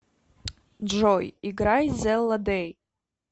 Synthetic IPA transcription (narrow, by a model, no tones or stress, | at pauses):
d͡ʒɔjiɡɾajzɛlːad̪ej